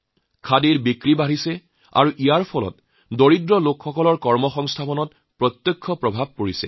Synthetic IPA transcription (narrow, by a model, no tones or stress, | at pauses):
kʰadiɹbikɹibaɹisɛ | a̰ɹuʔijaɹpʰɔlɔ̰t | doɹidɹɔlokxɔkɔlɔɹkɔɹmɔxɔŋstʰapɔnɔt | pɹɔt̪jɔkʰːɔpɹɔbʱab̚koɹisɛ̰